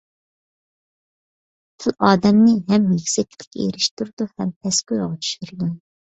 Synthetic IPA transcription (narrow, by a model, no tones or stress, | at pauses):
t̪ʰɪlʔɑːd̪ɛmnɪɦɛmjikʲsɛk̪ʲʰːit̪ʰɪ̥kʲʰḛɾɪʃt̪uɾd̪̥uhɛmt̪ʰɛskʲyɾʁɑt͡ʃʰy̥ʃyɾɨd̪u